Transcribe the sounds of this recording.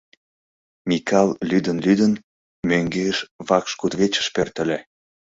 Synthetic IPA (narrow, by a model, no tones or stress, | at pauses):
mʲikʰɑllyd̪ənlyd̪ən | møŋɡeʃβɑkʃkut̪βet͡ɕə̥ʃpørt̪ə̆lʲe